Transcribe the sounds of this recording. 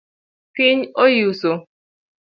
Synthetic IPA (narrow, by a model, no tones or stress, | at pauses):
kɪɲojiuso